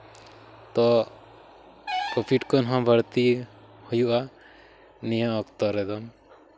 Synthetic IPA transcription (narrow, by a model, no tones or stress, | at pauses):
t̪ɔ | kɔpʰiʈkɔnɦɔ̃bʱəɾt̪i | hujuʔa | nijãɔkt̪ɔɾɛd̪ɔm